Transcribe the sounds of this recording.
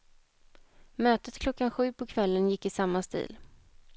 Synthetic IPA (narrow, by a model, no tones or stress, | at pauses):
møːt̪ət̪kʰlɔkːanɧʉ̟ːpʰɔkʰvɛlːənjɪkːɪsamːast̪ḭːl